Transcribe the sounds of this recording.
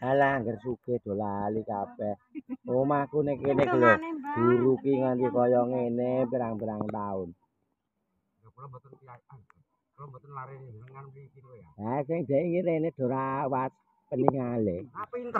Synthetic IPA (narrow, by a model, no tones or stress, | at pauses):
alaŋɡərsuked̪̥ɔ̤lalikapɛhomakunekeneɡəlɛd̥uɾukiŋant̪ikɔjɔŋenepiɾaŋpiɾaŋt̪aʊn | asɪŋd͡ʒaiŋiɾened̪̥ɔ̤ɾawat̪̚ | pəniŋale